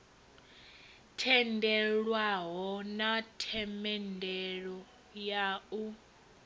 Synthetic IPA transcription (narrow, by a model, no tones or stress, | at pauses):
tʰɛndʱɛɺwaɦɔnatʰɛmɛndʱɛɺɔ | jau